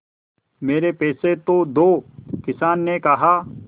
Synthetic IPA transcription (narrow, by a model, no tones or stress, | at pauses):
meːɾeːpeːset̪oːd̪oːkɪsaːnːeːkəɦaː